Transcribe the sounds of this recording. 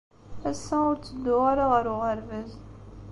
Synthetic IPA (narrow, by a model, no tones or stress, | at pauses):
æsːæʊɾt͡sːəd̪ːʊʁaɾaʁəɾʊʁəɾvæz